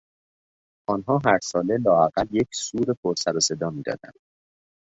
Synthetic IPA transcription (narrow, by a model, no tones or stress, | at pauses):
ʔɒːnɦɒːɦæɾsɒːle̞lɒːæɣælje̞cʰsuːɾepʰoɾsæɾɒse̞d̪ɒːmiːd̪ɒ̰ːd̪æ̰nd̪̥